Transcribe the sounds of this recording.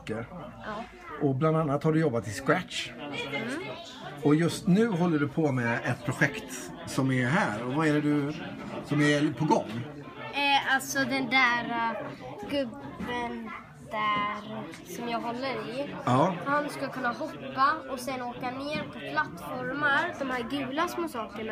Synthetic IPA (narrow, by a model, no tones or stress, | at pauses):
kːəɾ | ʔɔbland̪anːat̪haɖɵjɔbːat̪ʰːɪskɾætʂ | ɔjɵst̪nʉ̟ːɦɔlːəɖɵpʰɔmɛʔɛt̪̚pʰɾʊɧɛkt̪ | sɔmɛɦæːɾɔvaɛɾɛd̪ɵ | sɔmɛɾpʰɔɡɔŋː | alt̪sɔd̪ɛnd̪æːɾ | ɡɵbːən | d̪̥æɾ | sɔmjɑːɡɦɔlːəɾɪɑːhanskɵlkʰɵnːahɔpːaɔsɛnːoːkaneːɾpʰɔpʰlat̪ːfɔɾmaɾd̪ɔmhæːɾɡʉ̟ːlasmʊsɑːkəɾɳ